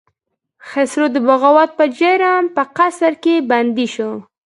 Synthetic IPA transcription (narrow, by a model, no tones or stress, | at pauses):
xesɾod̪əbaɣawat̪̚pəd͡ʒeɾampəqasaɾkeband̪iʃo